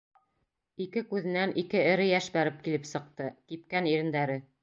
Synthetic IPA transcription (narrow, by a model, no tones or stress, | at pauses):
ikɘkʉðɘ̆nːænʔikɘɘ̆ɾɘjæʃbæɾɘp̚kilɘpsɤ̆q̚t̪ɤkip̚kæniɾɘ̆nd̪æɾɘ